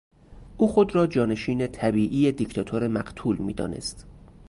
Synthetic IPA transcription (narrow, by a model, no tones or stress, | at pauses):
ʔuːxo̞d̪ɾɒːd͡ʒɒːne̞ʃiːnet̪ʰæbiːʔiːjed̪icʰt̪ʰɒt̪ʰoɾe̞mæɢt̪ʰuːlmḭːd̪ɒ̰ːne̞̰st̪